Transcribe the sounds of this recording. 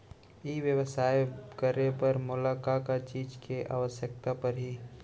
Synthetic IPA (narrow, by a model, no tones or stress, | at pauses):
iːʋjəʋəsaːjkəɾepəɾmʊlakakat͡ʃiːd͡ʒkeʔa̰ːʋəsjək̚t̪apɐɾɦiː